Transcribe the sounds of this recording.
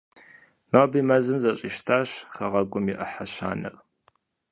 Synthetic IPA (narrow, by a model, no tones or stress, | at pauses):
noːbimɐzɨmzɐɕʼɪʃtʰaːɕχɐʁɐɡʷʼʊmiʔɐħaɕa̰ːnɨ̰r